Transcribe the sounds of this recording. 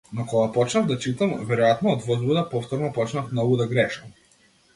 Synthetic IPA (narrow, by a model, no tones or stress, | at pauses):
nɔkɔɡapɔt͡ʃnavd̪at͡ʃit̪amvɛɾɔjat̪nɔːd̪vɔzbud̪apɔft̪ɔɾnɔpɔt͡ʃnafmnɔɡud̪aɡɾɛʃɐm